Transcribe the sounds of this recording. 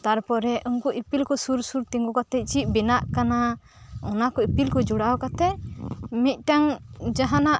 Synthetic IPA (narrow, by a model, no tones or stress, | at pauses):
t̪aɾpɔɾɛʔuŋkuʔipilkɔsuɾsuɾt̪iŋɡɔkat̪ɛt͡ʃiʔ̪̚binaʔkana | ɔnakɔipilkɔd͡ʒuɽawkat̪ɛmit̪̚ˀʈaŋd͡ʒaɦanaʔ